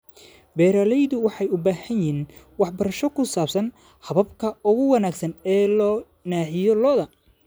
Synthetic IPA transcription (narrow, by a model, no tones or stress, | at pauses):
bɛːɾaːlɛjðʊwɑħɑjʊbaːhɐnjiːn | wɑħbɐɾɐʃɔkʰʊsaːbsɐn | hɐβɐbkʰɐʊɣʊwɑnaːɡsɐnɛːlɔː | naːħɪjɔlɔːðɐ